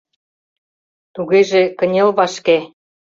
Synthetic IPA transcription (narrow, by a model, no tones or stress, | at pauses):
t̪uɣeʒekə̆nʲelβɑʃke